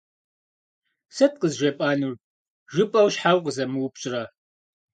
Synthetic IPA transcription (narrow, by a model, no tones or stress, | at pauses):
sɐt̚qəzʒɐpʼaːnur | ʒɨpʼɐwʃħawqəzɐmɨwʊpɕʼɪrɐ